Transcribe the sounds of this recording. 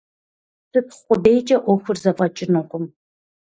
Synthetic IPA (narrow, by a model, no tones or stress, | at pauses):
sɨpχʷʊdejt͡ʃʼɐʔɔxʷʊrzɐfʼɐt͡ʃʼɪnoqʷʼʊm